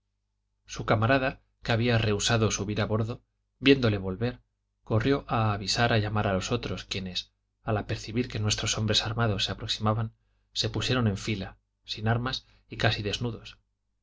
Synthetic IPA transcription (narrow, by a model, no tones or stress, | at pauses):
sukamaɾaða | keaβiare̞usaðo̞suβiɾaβo̞ɾðo̞ | bje̞nd̪o̞le̞β̞o̞lβe̞ɾ | ko̞rjo̞ʔaːβisaɾaʎamaɾalo̞so̞t̪ɾo̞skjene̞s | alape̞ɾθiβiɾke̞nwe̞st̪ɾo̞so̞mbɾe̞saɾmaðo̞sːe̞apɾo̞ksimaβan | se̞pusjeɾo̞ne̞ɱfila | sinaɾmas | ikasiðe̞znuðo̞s